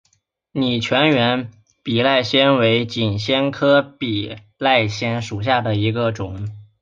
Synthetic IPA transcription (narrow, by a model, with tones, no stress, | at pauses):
ni˨˩t͡ɕʰɥɛ˧˥nɥɛ˧˥n | pi˨˩la˥˩ɪɕjɛ˥nwe˧˥ɪt͡ɕi˨˩nɕjɛ˥nkʰɤ˥pi˨˩ | la˥˩ɪɕjɛ˥nʂu˨˩ɕ̬ja˥˩d̪ə˩i˧˥ɡə˧ʈ͡ʂʊ˨˩˦ŋ